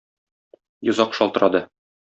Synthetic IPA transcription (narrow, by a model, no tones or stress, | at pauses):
jŏzɑqʃɒlˠt̪ɤ̆ɾʔɑd̪ɤ